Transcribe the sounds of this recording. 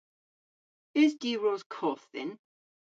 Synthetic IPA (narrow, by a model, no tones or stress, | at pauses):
ɪzdiːɹɔːz̥kʰɔːˑθɪ̰n